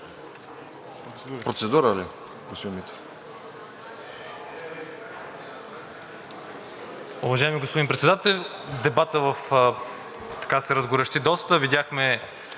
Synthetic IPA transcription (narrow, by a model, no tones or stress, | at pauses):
pɾot̪sɛd̪uɾəli | ɡost̪imit̪ə̥ | ʊvɐʒaɛmiɡospod̪inpɾɛt̪sɛd̪at̪ɛlʲd̪ɛbat̪əvəf | t̪ɐ̥kasɛɾəzɡʊɾɛʃt̪id̪ɔst̪əvid̪ʲjaxmɛ